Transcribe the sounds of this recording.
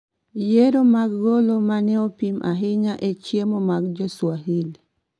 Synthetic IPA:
jeɾomaɡɡolomanɛopimʔa̰ɦɪɲaʔet͡ʃjemomaɡd͡ʒɔswaɦil

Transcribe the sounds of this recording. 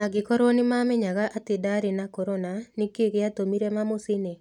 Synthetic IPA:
aɡɪkɔɾonɪmamɛɲaɡaʔat̪ɪdaɾɪnakoɾonanɪkekjat̪omiɾemamosɪne

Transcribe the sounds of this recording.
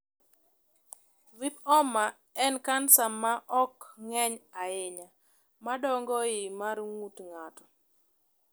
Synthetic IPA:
vipɔma | ɛnkansamaʔɔkŋɛɲaɪɲa | madɔŋɡɔɪmaɾŋutŋatɔ̥

